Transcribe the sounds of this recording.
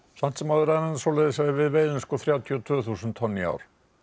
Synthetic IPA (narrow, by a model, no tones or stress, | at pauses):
san̥t̪sɛmaðʏɾɛnansɔlejðɪsaɪvɪðveːjðʏnskɔθɾjaːwt̪ʰiɔt̪ʰvœːθusʏnt̪ʰːɔnːia̰wɾ̥